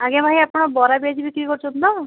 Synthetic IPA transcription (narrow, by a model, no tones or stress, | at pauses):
aɡjãbʱajapɳabɔɾabiad͡ʑibikikɔɾt͡ʃʰund̪ɔ